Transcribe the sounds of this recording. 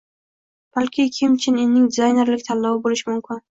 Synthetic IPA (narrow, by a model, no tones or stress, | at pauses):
b̥alkʲɪkʲʰɪmt͡ʃʰɪnennɪŋd̪ɪzajne̞ɾlɪkʲt̪ʰalːɒwɪbolɪʃɪmʊmkʲʰɪn